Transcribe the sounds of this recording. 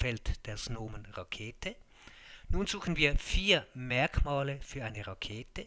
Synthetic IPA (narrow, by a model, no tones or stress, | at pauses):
fɛltd̥eːɐsnoːmənʁakʰeːtʰə | nuːnzuːxn̩viːɐfiːɐmɛɐkmaːləfyːɐʔaɪnəʁakʰeːtə